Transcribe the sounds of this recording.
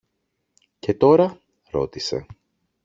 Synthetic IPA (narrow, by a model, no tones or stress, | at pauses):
ce̞t̪o̞ɾɐ | ɾo̞̰t̪ise̞̰